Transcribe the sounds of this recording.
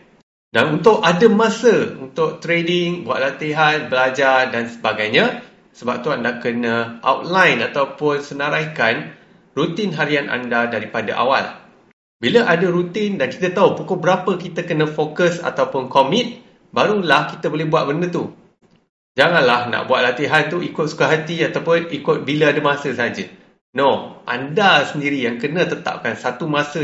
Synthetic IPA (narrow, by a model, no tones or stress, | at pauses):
danunt̪ʊʔadəmãsəṵnt̪ʊʔt̪ɾedɪŋbua̰ʔ̪̚lat̪iɦanbəlad͡ʒardansəbaɡajɲã | səbap̚t̪uandakənə̃ʔa̰wt̪̚lajnat̪awpʊnsənaɾajkan | rut̪inɦaɾianʔa̰ndadaɾipada̰ʔa̰wa̰l | biləʔadəɾut̪ɪndanki̥t̪ət̪aupukʊhbəɾapəkit̪əkənə̃fokəsa̰t̪awpʊnkomɪ̃t̪̚ | baɾulahkit̪əbolɛhbuat̪̚bəndət̪u | d͡ʒaŋanlahna̰ʔbuat̪̚lat̪iɦant̪uikʊt̪̚su̥kaɦat̪iat̪awpʊnikʊt̪̚biləadamãsəsaɦad͡ʒə | noʔa̰ndasəndiɾijaŋkənə̃t̪ət̪a̰p̚kansat̪umãsə